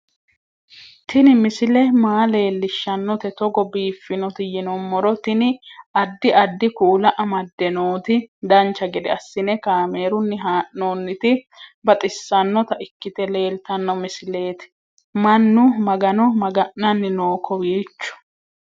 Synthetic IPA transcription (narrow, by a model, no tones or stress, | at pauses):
t̪ʰɪnɪmɪsɪlɛmaːle̞ːlːɪʃːɐnːɔt̪ɛt̪ɔɡɔbiːfːɪnɔt̪ɪjɪnɔmːɔɾɔt̪ɪnɪɐd̪ːɪʔɐd̪ːɪkuːlɐʔɐmɐd̪ːɛnoːt̪ɪd̪ɐnt͡ʃːɐɡɛd̪ɛɐsːɪnɛkaːme̞ːɾʊnːɪɦaːʔnoːnːɪt̪ɪ | bɐt̪ʼɪsːɐnːɔt̪ɐʔɪkːɪt̪ɛle̞ːlt̪ɐnːɔmɪsɪle̞ːt̪ɪ̥ | mɐnːʊmɐɡɐnɔmɐɡɐʔːɐnːɪnoːkʰɔwiːt͡ʃːʊ̥